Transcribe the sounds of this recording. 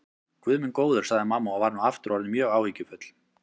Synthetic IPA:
kʰvʏðmɪnkoːwðʏ̥saɣðɪmaːmːaavaɾnuaft̪ɾɔɾnɪmjœːɣaːwviːcʏfœt̪l̥

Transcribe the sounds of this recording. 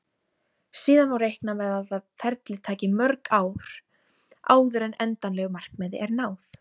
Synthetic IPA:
siːðanvawrejhknamɛðaθafɛɾt̪lɪt̪ʰaːcɪmœɾkaːwɾ̥ | a̰ːwðʏɾɛnɛnt̪anlɛɣʏmar̥kmɛːðɪ̰ʔɛɾnaːwf

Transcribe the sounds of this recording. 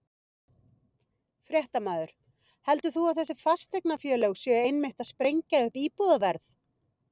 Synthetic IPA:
fɾjɛht̪amaːðʏɾ̥ | hɛl̪t̪ʏθuawθɛsːɪfast̪ejknafjœːlœwsjœejnmɪht̪aðspɾejɲcaʏhpiːpuðavɛɾθ

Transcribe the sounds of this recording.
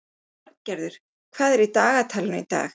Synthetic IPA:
aɾcɛɾðʏɾ̥ | kʰv̥aːðɛɾit̪aːɣat̪ʰaːlɪnʏ̰it̪a̰ːx

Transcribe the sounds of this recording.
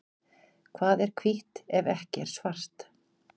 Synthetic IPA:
kʰvaːðɛɾ̥kʰviht̪ɛvɛhcɪɛɾ̥svar̥t̪

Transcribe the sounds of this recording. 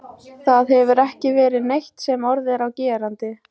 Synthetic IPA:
θaðɛvʏɾɛhcɪvɛːɾɪðnejht̪sɛmɔɾðɪɾawcɛːɾant̪ɪ

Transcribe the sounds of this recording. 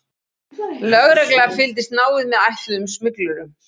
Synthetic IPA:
lœɣɾɛklɛɣafɪlt̪̬ɪst̪naːwɪðmɛðajht̪lʏðʏmsmʏklʏɾʏm

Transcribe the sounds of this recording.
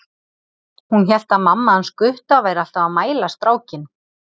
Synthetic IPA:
hunçɛl̥t̪amamːanskʏht̪avaːjɾal̥t̪avamaːjlast̪ɾaːwcɪn

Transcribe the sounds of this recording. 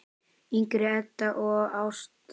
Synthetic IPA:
iŋkɾɪɛt̪ːaʔɔɣawst̪

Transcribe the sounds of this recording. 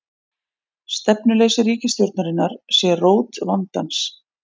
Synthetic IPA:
st̪ɛpnʏleːjsɪɾiːcɪst̪jowɾt̪naɾɪnːaɾ̥sɛroːwt̪vant̪a̰ns

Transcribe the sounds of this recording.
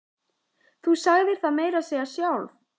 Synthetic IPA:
θusaɣðɪɾ̥θaðmeːjɾasɛɣasjawlv

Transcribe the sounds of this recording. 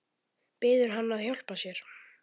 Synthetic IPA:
pɪːðʏɾ̥ɦanːaðhjawl̥pasjɛɾ̥

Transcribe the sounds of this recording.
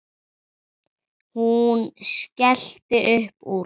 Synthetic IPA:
hunʃkɛɬt̪ɪʔʏhpu

